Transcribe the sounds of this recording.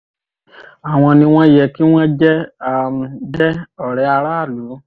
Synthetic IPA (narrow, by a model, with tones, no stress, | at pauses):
a˨w̃ɔ̃˧nĩ˧w̃ɔ̃˦jɛ˨ki˦w̃ɔ̃˦d͡ʒɛ˦a˨dɛ˦ɔ˨ɾɛ˨˦a˧ɾa˦˨lu˨˦